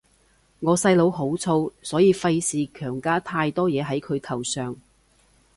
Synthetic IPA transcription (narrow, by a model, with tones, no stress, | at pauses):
ŋɔː˨˧sɐ˧jlo˨˧wɦo˨˥wt͡sʰo˧wsɔː˨˥jiː˨˧fɐ˧jsiː˨˧kʰœː˨˩ŋkaː˥t̪ʰaː˧jt̪ɔː˥jɛː˨˧ɦɐ˨˥jkʰɵ˨˧ɥt̪ʰɐ˨˩wsœː˨ŋ